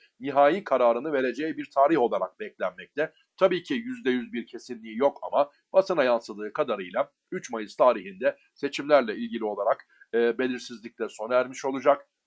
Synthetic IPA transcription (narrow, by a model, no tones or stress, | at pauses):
niɦaːjikʰaɾaːɾɯnɯve̞ɾe̞d͡ʒejibiɾt̪ʰaːɾiho̞lˠaɾa̰k̚bɛclʲænmɛc̚t̪ʰɛ | t̪ʰabiːcʰijyzd̪ɛjyzbiɾcʰe̞sinlʲiːijo̞ka̰ma | b̥asɯnajansˠɯd̪ɯːkʰad̪aɾɯjlˠa | yt͡ʃmajɯzt̪ʰaːɾiɦind̪ɛ | se̞t͡ʃʰimlʲæɾlʲɛilʲɟilʲio̞lˠaɾak | ɯːbe̞lʲiɾsizlʲic̚t̪ʲæɾso̞nɾaæɾmiʃo̞lˠud͡ʒak